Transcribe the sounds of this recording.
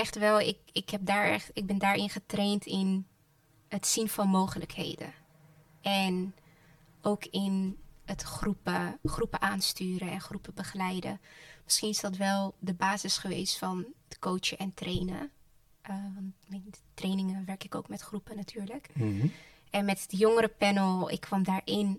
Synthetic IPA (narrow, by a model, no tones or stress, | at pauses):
ɛχtʋɛlˠɪkɪkɦɛp̚daːɹɛ̰χtɪɡ̚bɛndaːɹɪnχətrejntʰɪn | ɦətsinfɑnmowχələkhḛjdə̰ | ɛn | ʔowkʰɪnətχrupəχrupəʔaːnstyːɾəɛnχrupəbəχəlɛjdə̰mɪsχinɪzdɑtʋɛlˠdəbaːzɪsχəʋḛjstfɑnəkowt͡ʃəʔɛntrʔejnə̰ | ʔʋɑntmɛjntrejnɪŋəʋɛɹkɪkowkmɛtχrupənatʰyːɹlək | ɛnmɛtdəjoŋəɾəpɛnəlˠɪ̰kʰːʋɑmdaːɹʔɪn